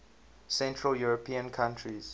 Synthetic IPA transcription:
sɛ̃ntʰɹəljuɹɔpʰĩə̃nkʰãntʰɹiz̥

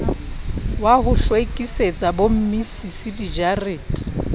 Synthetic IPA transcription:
wahʊɬwekʼiset͡sʼabom̩misisidid͡ʒariːtʼ

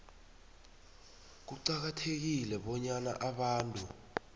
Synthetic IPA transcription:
k̬uǀak̬atʰek̬ilɛɓɔɲana̰ʔaɓaːntʼu

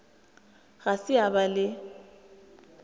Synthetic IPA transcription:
ɣasɪabalɪ

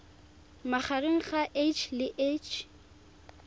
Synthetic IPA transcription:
maχarɪŋ̩χaʔet͡ʃʰlɪʔet͡ʃʰ

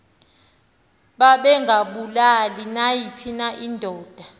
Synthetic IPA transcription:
ɓaɓɛŋɡʱaɓulalinajipʰinaʔindʱɔːd̥ʱa

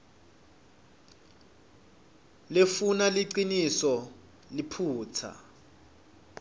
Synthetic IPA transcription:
lefunaliǀinisɔ | lipʰuːtʰa̰

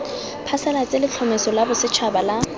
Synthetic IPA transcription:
pʰasɛlat͡sʼelɪt͡ɬʰɔmesɔlabʊsɪt͡ʃʰabala

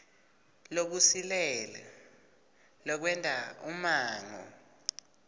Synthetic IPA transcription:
lok̬usilɛla | lɔk̬wɛntʼaumaːŋɔ̰

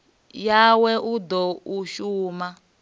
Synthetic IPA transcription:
jawɛʔud̪ɔuʃuːma

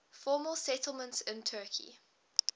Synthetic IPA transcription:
fɔːməlˠsɛtəl̩ˠmə̃ntsɪ̃ntʰɜːˑkʰḭ

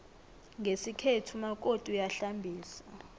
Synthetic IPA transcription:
ŋʱesikʰetʰumak̬ʼotʼujaɬambʱiːsa

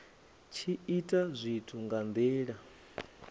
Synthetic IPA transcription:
t͡ʃʰiitʼazʷitʰuŋɡand̪ɛːɺa

